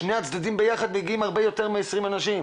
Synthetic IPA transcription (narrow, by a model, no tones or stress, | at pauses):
ʃne̞jat͡sd̪ad̪imbe̞jaχad̪meɡiimaʁbe̞jo̞t̪eʁmeesʁimanaʃim